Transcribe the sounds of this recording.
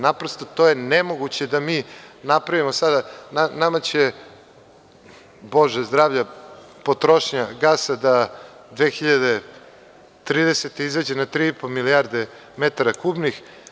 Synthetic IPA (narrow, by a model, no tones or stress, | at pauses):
napɾost̪ot̪oːjenemo̞ɡut͡ɕe̞d̪amiːnapɾaʋimosad̪ananamat͡ɕe | bo̞ʒezd̪ɾaːʋʎa | po̞t̪ɾoʃɲaɡaːsad̪ad̪ʋeːxiʎad̪e | t̪ɾiːd̪eset̪eizad͡ʑenat̪ɾiːipomiliaɾd̪e̞ | met̪aɾakuːbnix